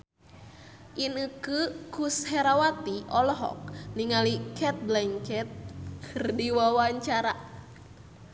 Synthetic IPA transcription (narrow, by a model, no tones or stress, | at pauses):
ʔinukɨkushɛɾawat̪iʔɔlɔɦɔ̰k̚niŋalikʰɛt̪̚blɛŋkɛt̪̚kʰɨrdiwawaɲt͡ʃaɾa